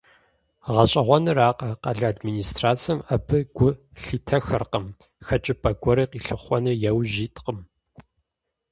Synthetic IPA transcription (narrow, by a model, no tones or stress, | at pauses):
ʁɐɕʼɐʁʷɔnɨraːqɐqɐɮɐadmiːniːstraːt͡sɐmɐbʰɨɡ̥ʷʊ | ɬiːtʰɐxɐrqɐm | xɐt͡ʃʼɪpʼɐɡʷɔɾiːqiːɬɨχʷɔnɨjɛwʑiːtʰʼqəm